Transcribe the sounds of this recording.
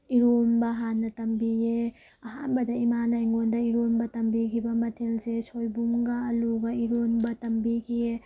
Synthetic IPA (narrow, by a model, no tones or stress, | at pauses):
iɾombɐɦanːɐtɐmbije | ɐɦanbɐdɐimanajŋɡondɐiɾombɐtɐmbikʰibɐmɐtʰelsesojbumɡɐːluɡɐiɾonbɐtɐmbikʰije